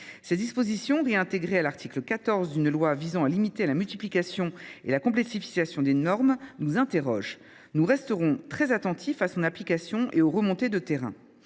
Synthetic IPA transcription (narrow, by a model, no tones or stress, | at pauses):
sɛd̪ispozisjɔ̃ʁeɛ̃t̪eɡʁealaʁt̪ʰikləkat̪ɔʁzd̪ynlwavizɑ̃alimit̪elamylt̪iplikasjɔ̃ḛlakɔ̃plɛksifi̥kasjɔ̃d̪enɔʁmnuzɛ̃t̪eʁɔʒ | nuʁɛst̪əʁɔ̃t̪χɛzat̪ɑ̃t̪ʰifasɔ̃naplikasjɔ̃ʔeoʁəmɔ̃t̪ed̪ət̪eʁɛ̰̃